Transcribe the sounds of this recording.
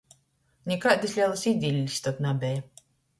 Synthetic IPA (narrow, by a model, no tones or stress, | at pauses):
nʲɛkad̪islʲiɛlˠasid̪zʲilʲːisʲt̪ɔt̪nabʲɛj